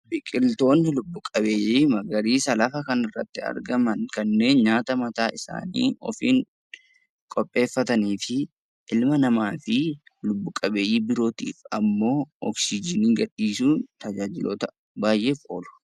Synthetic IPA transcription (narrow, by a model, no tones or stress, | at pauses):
bɪkʼɪlt̪o̞ːnːɪlʊbːʊkʼɐbe̞ːjiːmɐɡɐɾiːsɐlɐfɐkɐnɪrːɐt̪ːɪɐ̰ɾɡɐmɐnkɐnːe̞ːnɲaːt̪ɐmɐt̪aːɪsa̰ːnḭːɔ̰fiːŋ | kʼɔpʼːe̞ːfːɐt̪ɐniːfɪ | ʔɪlmɐnɐmaːfɪlʊbːʊkʼɐbeːjiːbɪɾo̞ːt̪ḭːfɐmːo̞ːɔksɪd͡ʒɪniːɡɐᶑːiːsuːt̪ɐd͡ʒaːd͡ʒɪlo̰ːt̪ɐ̥ | baːjʔeːfo̞̰ːlʊ̥